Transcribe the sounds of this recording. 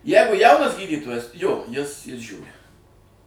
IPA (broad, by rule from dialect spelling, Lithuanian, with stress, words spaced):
ˈjɛɪɡʊ ˈjɛʊnɐs ˈɡʲiːdʲiːtoːjɛs joː ˈjɪs ˈjɪs ˈʒʲuːrʲɪ